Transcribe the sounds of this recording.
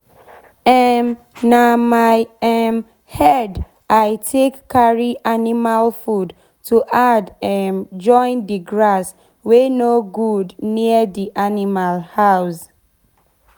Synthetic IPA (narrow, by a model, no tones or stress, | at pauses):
ɛm | namaɪɛm | hɛd | aɪtʰekːaɹiʔanimalfud | tuʔadɛmd͡ʒɔ̃ɪ̃ndiɡɹas | wenoɡudniədiʔanimalhaʊs